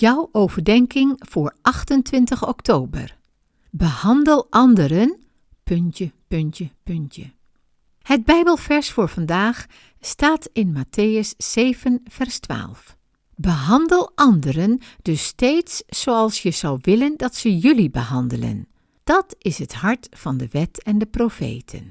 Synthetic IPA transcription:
jɔwʔowvəɹdɛŋkɪŋv̥ʊːɹʔɑχtəntʋɪntəχɔktʰoːbə̰r | bəhɑndəlˠʔɑndəɾən | pɵntəpɵntəpɵntə | həd̚bɛjbəlˠvɛɹsfʊːɹv̥ɑndaːχ | staːtɪnmatʰejəsːejvənfɛrstʋa̰ːlˠf | bəɦɑndəlˠʔɑndəɾənd̥ɵstejtsːowɑlˠsjəzʌwʋɪləndɑtsəjɵlibəhɑndələ̰n | d̥ɑtɪsɦətɦɑɹtfɑndəʋɛtɛndəprofḛjtʰə̰n

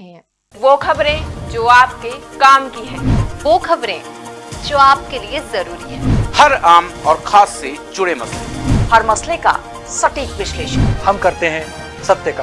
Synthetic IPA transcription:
ʋoːkʰɐbɾẽd͡ʒoːaːp̚kekaːmkiɦɛ̃ːʋoːkʰɐbɾẽd͡ʒoːaːp̚keliezɐɾuːɾiɦɛ̃ːhɐɾaːmɔːɾxʰaːsːed͡ʒʊɽemɐslḛhɐɾmɐsleka̰ | sɐʈiːkʋɪʃleːʃənhɐmkɐɾt̪eɦɛ̃ | sɐb̚t̪jəka

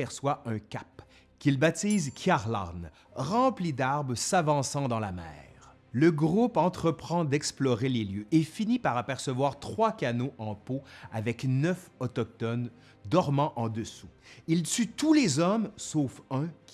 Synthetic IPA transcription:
ɛʁswaʔœ̃kʲap | kʲilbat̪iːzkʲʰjaʁla̰n | ʁɑ̃plid̪aʁbʁəsavɑ̃sɑ̃d̪ɑ̃lamɛ̰ːʁ | ləɡʁupɑ̃t̪χəpχɑ̃d̪ɛksplɔʁeleljøʔefinipaʁapɛʁsəvwaːʁt̪χwakʲanoʔɑ̃poavɛknœfɔt̪ɔk̚t̪ɔn | d̪ɔʁmɑ̃ʔɑ̃d̪əsuilt̪yt̪ulezɔmsofœ̃kʲ

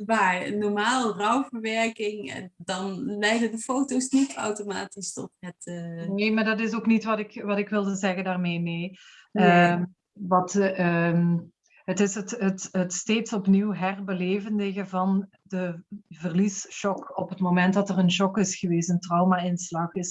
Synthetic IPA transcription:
ʋaːnɔɹmaːlˠrʌwvəɹʋɛɹkɪŋɛ̰ndɑnlɛjdəndəfowtowsnitɑ̰wtoma̰ːtistɔ̰tɦɛtneːmaːɹdɑtɪsoːknitʋɑtɪkʋɑtɪkʋɪlˠdəzɛɣəndaːrmeːneː | ə | ʋɑtə | ɦətɪsətɦətɦətsteːtsɔpniwɦɛrbəleːvəndəɣəvɑn | dəvərlisʃɔkɔpɦətmomɛnt̚dɑtərənʃɔkɪsxəʋeːstəntrɑwmaɪnslɑxɪs

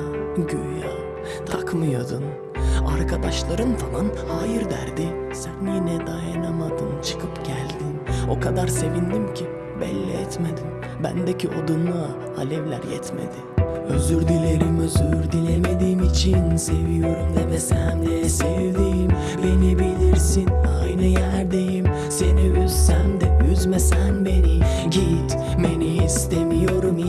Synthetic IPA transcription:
ɟøja | t̪ʰakmɯjad̪ɯn | a̰ɾkʰad̪aʃlˠaɾɯnfalˠanhaːjiɾd̪æ̰ɾd̪ɪ | sænjinɛd̪ajinamad̪ɯmt͡ʃʰɯ̥kʰɯpɟ̥ælʲd̪ino̞kʰad̪aɾse̞vind̪imcʰi | bɛ̰lʲːɛ̰ɛt̪med̪im | bæ̰nd̪ɛcʰiʔod̪unˠa | halʲɛvlʲæ̰ɾjɛ̰t̪mḛd̪ɪøzyɾd̪ilʲe̞ɾimøzyɾd̪ilʲemed̪iːmit͡ʃʰinse̞vijo̞ɾumvɛvɛsænɛsevd̪ijim | benibilʲiɾsinajnɯjæɾd̪ejim | se̞niyzsænd̪ɛyzmesænbe̞ni | ɟet̪ | be̞niːst̪emijo̞ɾum

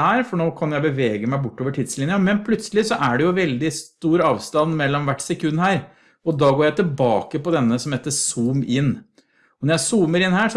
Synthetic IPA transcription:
æːɾfɔɳoːkʰɑnjʊjæɪbəʋeːɡəmæɪbʊʈːoːʋəʈʰid̪slɪnɪjənmɛnpʰlʉt̪səlɪsɔʔæɖɛjʊʋɛld̪ɪst̪uːɾɑːʋst̪ɑnmɛlːɔmʋæʈːsɛkʰʉnːhæːɾ | ɔd̪ɑːɡoːjæɪt̪ʰɛlbɑːkəpɔd̪ɛnːəsɔmheːt̪ːəsuːmɪnː | ɔnɔɾjæɪsuːməɾɪnhæːʂ

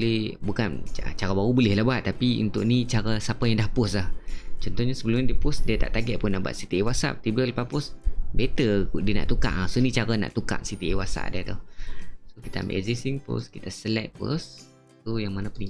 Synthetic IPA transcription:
bulɪhbukan̰t͡ʃaɾabaɾubulɪhlahbaʔt̪ːapiṵnt̪ʊʔnit͡ʃaɾasapajaŋdahpʊslaht͡ʃɔnt̪ɔhɲasəbəlumadiəpʊsdiat̪a̰ʔt̪aɡɛʔ̚pʊnaba̰ʔ̪̚sit̪iewasa̰ʔpat̪ibələpapʊsbet̪ədiəna̰ʔt̪uka̰ʔasonit͡ʃaɾana̰ʔt̪uka̰ʔsit̪iewasa̰ʔdit̪usokit̪aa̰mbḛʔzisiŋpʊ̰skit̪asəlɛʔ̚po̰sː | ojaŋmanapuni

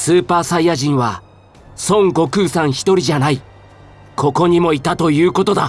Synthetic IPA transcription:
sɨːpaːsaiːaʑĩɰ̃βa | sõ̞ŋɡo̞kɯ̟ːsãɰ̃çi̥t̪o̞ɾʲiʑanai | kʰo̞ko̞ɲ̟imo̞it̪at̪o̞jɯ̟ːko̞t̪o̞d̪a

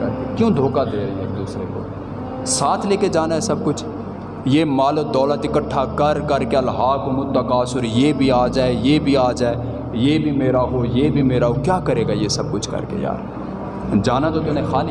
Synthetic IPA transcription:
ɐ̰ɾkekjõːd̪ʱoːkad̪eːɾəɦẽeːk̚d̪uːsɾeko̰ː | saːt̪ʰleːked͡ʒaːnaɦɛsɐb̚kʊt͡ʃʰ | jeːmaːləd̪ɔːlət̪ɪkəʈʰːakɐɾkɐɾkeɐlɦaːkomʊt̪ːakaːsʊɾjeːbʱiaːd͡ʒaːejeːbʱiaːd͡ʒaːe | jeːbʱimeːɾaɦojeːbʱimeːɾaɦokjaːkəɾeːɡajesɐb̚kʊt͡ʃʰkɐ̰ɾkḛja̰ːɾ | d͡ʒaːnat̪ot̪ʊnẽxaːn

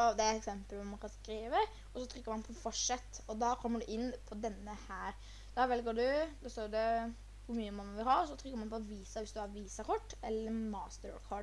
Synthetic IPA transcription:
ɔd̪ɛæɾɛt̪ɛksɛmpəlʋɔɾmɑnkʰɑnskɾiːʋə | ɔsɔt̪ʰɾʏkːəɾmɑnpʰɔfɔʂɛt̪ːɔd̪ɑkʰɔmːəɖʉʔɪnːpʰɔd̪ɛnːəhæːɾ | d̪̥ɑʋɛlɡəɖʉd̪ɑst̪oːd̪ɛ | ʋʊɾmyːəmɑnːʋɪlɦɑɾsɔt̪ʰɾʏkːəɾmɑnpʰɔʋiːsɑʋɪsd̪ʉæɾʋiːsɑkʰɔʈːɛlːəɾmɑːst̪əɾkʰɔɖ

